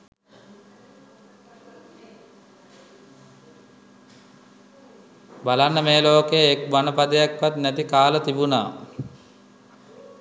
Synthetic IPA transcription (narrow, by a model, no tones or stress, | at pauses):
balanːəmeːloːkejəekbanəpad̪əjakʋat̪næt̪ikaːlət̪ibuna̰ː